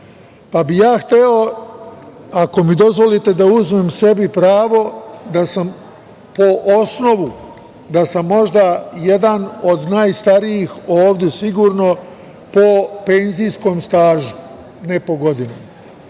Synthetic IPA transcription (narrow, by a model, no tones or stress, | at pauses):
pabijaːxt̪eo̞ | ako̞mid̪o̞zʋo̞lit̪e̞d̪auzme̞mse̞bipɾaːʋo̞d̪asam | po̞ʔosno̞ʋu | d̪asamːo̞ʒd̪aje̞d̪ano̞d̪naːjst̪aɾijixoːʋd̪jesiɡuːɾno̞ | po̞pe̞nzijsko̞mst̪aːʒu̥ | ne̞po̞ɡo̞d̪inama